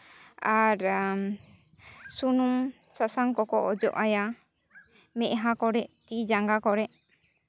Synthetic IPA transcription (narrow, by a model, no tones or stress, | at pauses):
aɾ | sunum | sasaŋkɔkɔʔɔd͡ʒɔ̰ʔaja | mɛʔɦãkɔɾɛʔt̪id͡ʒaŋɡakɔɾɛʔ